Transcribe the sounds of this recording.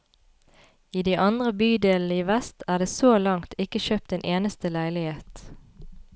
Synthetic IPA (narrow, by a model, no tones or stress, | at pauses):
iːd̪iːʔɑnd̪ʁəbyːd̪eːln̩əiːʋɛst̪ʰæːʁd̪eːsoːlɑŋt̪ʰɪkəʃøːp̚t̪eːnʔeːnəst̪əlæɪlɪheːt̪